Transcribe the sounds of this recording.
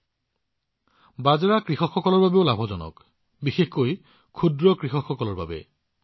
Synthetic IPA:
bazaɹakɹixɔkxɔkɔlɔɹbabeʊlabʱɔzɔnɔ̰k | bixexkoj | kʰudɹɔkɹixɔkxɔkɔlɔɹba̰bɛ̰

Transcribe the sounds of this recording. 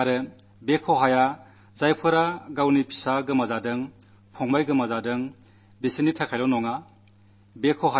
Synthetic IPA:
aɾɯ | bekʰɔɦaja | zajpʰɯɾaɡawnipʰi̥saɡɯmazadɯŋ | pʰɔŋbajɡɯmazadɯŋ | besinitʰakʰajlɔnɔŋa | bekʰɔɦa

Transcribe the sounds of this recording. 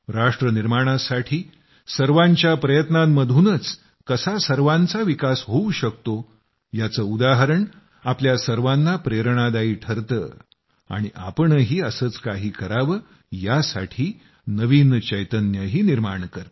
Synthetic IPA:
ɾaʂʈɾəniɾmaɽ̃asaʈʰiː | səɾʋãɲt͡ɕjapɾəjət̪namməd̪ʱunət͡s | kəsasəɾʋãnt͡saʋikasɦouɕəkt̪o | jat͡səːud̪aɦəɾəɳ | apljasəɾʋanːapɾeɾɳ̃ad̪aiːʈʰəɾt̪ə̰ː | a̰ɽ̃iʔa̰pəɳɦiːəsəːt͡skaɦiːkəɾaʋəː | jasa̰ʈʰiː | nəʋint͡ɕəjt̪ənjəɦiːniɾmaɳkəɾ

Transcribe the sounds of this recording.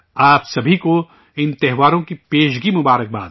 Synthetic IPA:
aːpsɐbʱiko | ɪ̃nt̪ɛɦʋaːɾõkipeːʃ̬ɡimʊbaːɾək̚ba̰ːd̪

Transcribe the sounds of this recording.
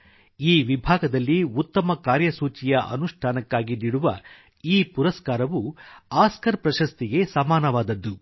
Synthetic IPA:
iːʋibʱaːɡɐd̪ɐlːiut̪ːɐmɐkaːɾjɐsuːt͡ʃijɐʔɐ̰nuʂʈʰaːnɐkːaːɡiniɽuʋɐ | iːpuɾɐskaːɾɐʋuaːskɐɾpɾɐʃɐst̪iɡe̞sɐmaːnɐʋaːd̪ɐd̪ːu

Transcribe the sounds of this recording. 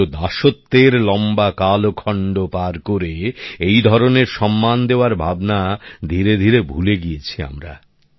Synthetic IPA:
od̪aʃot̪ːeɾlɔmbakalokʰɔɳɖopaɾkoɾeejd̪ʱɔɾoneɾʃɔmːand̪eoaɾbʱabnad̪ʱiɾed̪ʱiɾebʱuleɡijet͡ɕʰia̰mɾa̰

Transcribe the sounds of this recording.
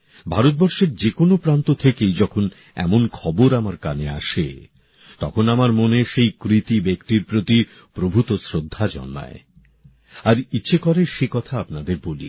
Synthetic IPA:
bʱaɾot̪̚bɔɾʃeɾd͡ʑekonopɾant̪ot̪ʰekejd͡ʑɔkʰon | ɛ̰monkʰɔboɾamaɾkanea̰ʃḛ | t̪ɔkʰonamaɾmoneʃejkɾit̪ibekʈiɾpɾot̪i | pɾobʱut̪osɾod̪ʱːad͡ʑɔ̰nːa̰e | aɾitːɕʰekɔɾeʃekɔt̪ʰaapnad̪eɾbolḭ

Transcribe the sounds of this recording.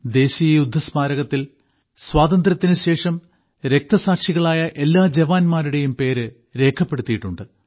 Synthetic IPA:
d̪e̞ːɕijɐjud̪ʱːɐsmaːɾɐɣɐt̪ːil | swaːt̪ɐnd̪rɐt̪ːinɨɕe̞ːʂɐm | ɾe̞k̚t̪ɐsaːʈʂiɣɐɭaːjɐʔe̞lːaːd͡ʑeʋaːnmaːɾuɽe̞jumpe̞ːɾɨ | ɾe̞ːkʰːɐpːe̞ɽut̪ːijiʈːuɳɖɨ

